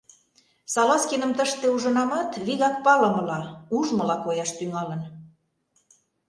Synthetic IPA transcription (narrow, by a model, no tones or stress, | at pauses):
sɑlɑskenə̆mt̪əʃt̪euʒə̆nɑmɑt̪βiɣɑk̚pɑlə̆mɤ̆lɑuʒmə̆lɑkojɑʃt̪yŋɑlə̆n